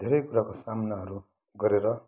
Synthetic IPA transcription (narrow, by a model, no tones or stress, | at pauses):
d̪ʱeɾʌjkuɾakosamnaɦʌɾu | ɡʌɾeɾʌ